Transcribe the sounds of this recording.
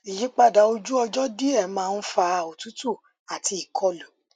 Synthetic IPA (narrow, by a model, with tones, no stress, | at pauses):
i˨ji˨˦k͡pa˦˨da˨o˧d͡ʒu˦ɔ˧d͡ʒɔ˦di˦ɛ˦˨mãː˦˧n̩˦fa˧˦˨o˨tu˨˦tu˦˨ | a˨ti˧i˨kʰɔ˧lu˨˦